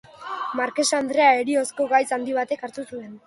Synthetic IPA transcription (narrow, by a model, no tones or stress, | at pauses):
maɾke̞sand̪ɾe̞aeɾio̞sko̞ɣajsand̪iβ̞at̪e̞kaɾt̪usue̞n